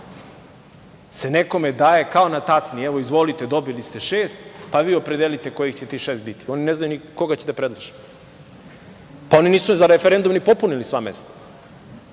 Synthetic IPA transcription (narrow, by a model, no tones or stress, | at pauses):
se̞neko̞me̞d̪aːje̞kao̞nat̪at̪snieʋo̞izʋo̞lit̪ed̪o̞bilist̪e̞ʃeːst̪paʋiːopɾed̪elit̪e̞ko̞jixt͡ɕet̪iːʃeːst̪bit̪i̥o̞nineznajuniko̞ɡat͡ɕe̥d̪epɾed̪lˠaʒi̥ | pao̞niniːsunzaɾefeɾend̪umnipo̞punilisʋa̰mḛst̪ḁ